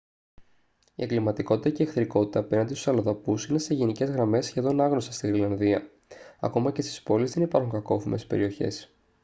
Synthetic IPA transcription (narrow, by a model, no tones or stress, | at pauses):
ḭeŋɡlimɐt̪iko̞t̪i̥t̪ɐceːxθɾiko̞t̪i̥t̪ɐpenɐnd̪esu̥sɐloðɐpusine̞se̞ʝe̞nice̞zɣɾɐme̞sçe̞ðo̞nɐɣno̞sist̪iɾilɐnðiɐ | ɐ̰ko̞mɐce̞st̪i̥spo̞lizðe̞nipɐɾxuŋkɐko̞θime̞̰spe̞̰ɾio̞çe̞̰s